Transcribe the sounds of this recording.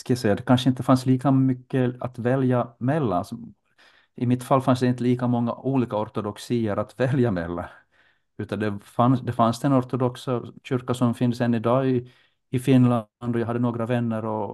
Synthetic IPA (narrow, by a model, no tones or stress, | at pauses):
skajasɛjːad̪ɛkʰanʂəɪnt̪ːəfansliːkamʏkːəa̰t̪vɛljamɛlːaalsɔ | ʔɪmɪt̪falːfansd̪ɛɪnt̪əliːkamɔŋːa̰ʔuːliːkaɔɾt̪ɔd̪ɔksiːəɾat̪vɛljamɛ̰lːa̰ | ʉ̟ːt̪and̪ɛfansd̪ɛfansd̪ɛnɔɾt̪ɔd̪ɔksaɕʏɾkasɔmfɪnd̪əsɛnːɪd̪ɑːɪ | ɪfɪnːland̪ɔjaɦad̪ːənoːɡɾavɛnːəɾɔ